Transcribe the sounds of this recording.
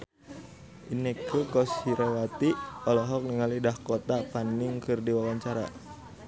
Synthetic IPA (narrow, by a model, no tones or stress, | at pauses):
ʔinɛkʰəkɔsiɾɔwat̪iɔlɔɦɔk̚niŋalidahkot̪apaniŋkɨrdiwawaɲt͡ʃaɾa̰